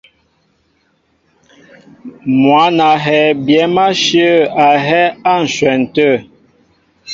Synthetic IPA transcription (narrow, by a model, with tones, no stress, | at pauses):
mwa˨˦na˨ɦɛ˨bjɛ˨˦ma˦ʃjə˦a˨ɦɛ˦a˦˨n̩˨swɛ˨n̩˨tə˦˨